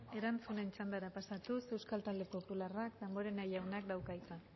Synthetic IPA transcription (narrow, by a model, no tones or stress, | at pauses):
e̞ɾant͡sune̞nt͡ʃand̪aɾapasat̪use̞wskalt̪ald̪epo̞pularakd̪amboɾenajawnak̚d̪awkajt͡s̪a